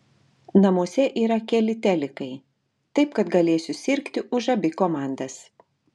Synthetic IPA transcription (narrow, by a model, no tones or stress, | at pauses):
nɐmuɔsʲɛʔiːɾɐkʲɛlʲɪt̪ʲɛlʲɪkɐɪ | t̪ɐɪpkɐt̪ɡɐlʲeːsʲʊsʲɪɾʲkt̪ʲɪʔʊʒɐbʲɪkoːmɑˑnd̪ɐs